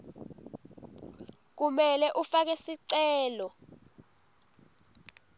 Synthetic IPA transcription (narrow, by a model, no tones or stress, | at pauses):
k̬umɛlɛʔufak̬ɛsiǀɛːlɔ